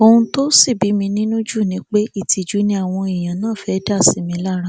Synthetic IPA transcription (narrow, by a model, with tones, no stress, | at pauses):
o˧ũ˧to˦si˦˨bi˨˦mĩ˧nĩ˦nũ˦d͡ʒu˦˨nĩ˧˦k͡pe˦i˦˨tʰi˧d͡ʒu˨˦nĩ˦a˦˨w̃ɔ̃˧i˨j̃ã˨nãː˦˨fɛ˨˦da˦˨si˨˦mĩ˧˦la˦ɾa˦